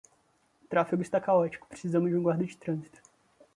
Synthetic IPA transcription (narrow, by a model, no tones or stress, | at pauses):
t̪ɾafiɡʊist̪akaɔt͡ʃi̥kʊ̥pɾesizɐ̃mʊzd͡ʒiũɡwaɾd̪ɐd͡ʒɪt̪ɾɐ̃zit̪ʊ̥